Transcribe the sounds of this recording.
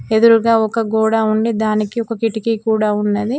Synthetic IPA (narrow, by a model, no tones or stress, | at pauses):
ed̪uɾuɡaːɔkɐɡɔːɽaːuɳɖid̪aːnikiɔkɐkiʈikikuːɽaːunːɐd̪i